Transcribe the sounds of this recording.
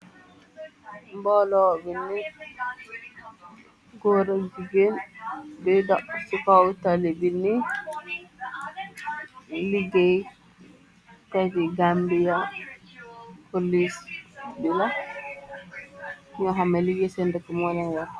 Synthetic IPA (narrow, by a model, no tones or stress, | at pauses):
mbɔlɔbinːi | ɡɔɾad͡ʒiɡendɛdaʔsukawtalibinːi | liɡej | tɔd͡ʒiɡambija | polisbila | ɲɔɦamaliɡɛsɛndɛkɔmɔlaŋɡa